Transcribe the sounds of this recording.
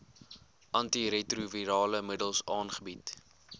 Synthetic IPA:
ʔɐntiɾetruviɾɑːləmədəlˠsɑːnχəbit

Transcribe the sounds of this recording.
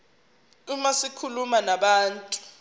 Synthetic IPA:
umasikʰulumanaɓaːntʼu̥

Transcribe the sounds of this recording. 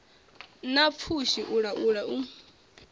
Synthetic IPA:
nap̪fʰuʃiʔuɺaʔuɺaʔu

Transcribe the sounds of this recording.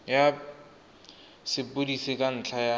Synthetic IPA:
ja | sɪpʊdisɪkʼan̩t͡ɬʰaja

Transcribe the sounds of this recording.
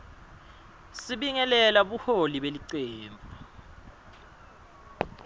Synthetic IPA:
siɓiŋɛlɛlaɓuholiɓeliǀeːmbʱu

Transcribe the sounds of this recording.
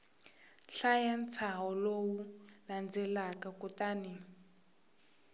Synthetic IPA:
ɬajant͡sʰaɦɔlowuland͡zɛlakakutaːni

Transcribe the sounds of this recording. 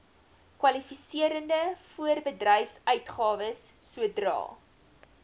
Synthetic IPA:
kwɐlifisiəɾəndəfuərbədrɛjfsœɥtχɑːvəsː | uədrɑ̰ː

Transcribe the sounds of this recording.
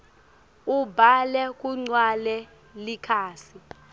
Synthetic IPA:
ubʱalɛk̬ʼuŋ͡ǀwalɛ | likʰaːsi

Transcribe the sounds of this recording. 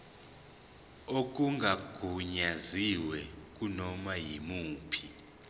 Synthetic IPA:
ok̬ʼuŋɡʱaɡ̥ʱuɲaziwɛk̬ʼunɔmajimuːpʰi

